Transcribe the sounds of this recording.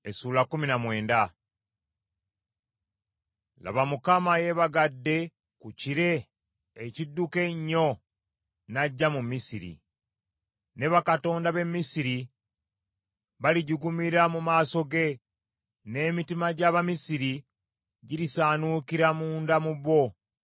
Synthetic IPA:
esuːlakːuminamwe̞ːnda | la̰βamukamaje̞βaɡadːe̞ | kuciɾe̞ː | cidːuke̞ɲːo̞ | naɟːamumːisiɾḭ | ne̞βakato̞ːndaβe̞mːisiɾi | βaliɟiɡumiɾamumaːso̞ɡe̞ | ne̞ːmitimaɟaβamisiɾi | ɟiɾisaːnukiɾamuːndamuβo̞

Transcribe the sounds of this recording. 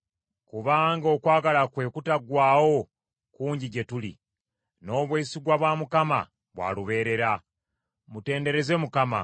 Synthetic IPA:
kuβaŋɡo̞kwaːɡalakwe̞kutaɡwaːwo̞ | kuːɲɟiɟe̞tulḭ | no̞ːβweisiɡwaβwaːmukama̰ | βwa̰ːluβe̞ːɾe̞ɾa | mute̞ːnde̞ɾe̞ze̞mukama̰

